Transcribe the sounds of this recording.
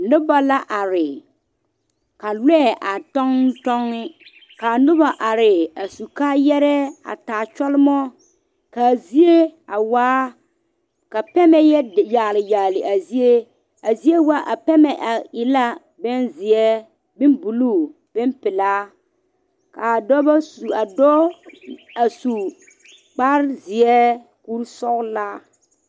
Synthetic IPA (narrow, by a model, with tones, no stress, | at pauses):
nʊ˦ba˦la˦ʔa˨ɾɪ˨ | ka˨lɛ˦˨ʔa˨tɔ˦ŋ˦tɔ˦ŋːɪ˦ | ka˨nʊ˦ba˨ʔa˨ɾɪ˨a˨su˨kaː˦jɛ˦ɾɛ˦a̰˨taː˨t͡ʃɔ˦lɪ˦mɔ˦ | ka˨zi˦e˦a˨waː˦ | ka˨pɛ˦mɛ˦jɛ˦˨jaː˨lɪ˨jaː˨lɪ˨ʔa˨zi˦e˦ | a˨zi˦e˦wa˦ʔa˨pɛ˦mɛ˨ʔa˨ɪ˨la˦ | bɛ˦nzɪ˨ɛ˦ | bɪ˦nbu˨luː˦˨ | b̥ɛ˦npɪ˨laː˦ | ka˨dɔ˦ba˦su˨a˨dɔ˦ | a˨su˨ | k͡pa˦ɾzɪ˨ɛ˦ | ku˦ɾsɔ˦ɣlaː˦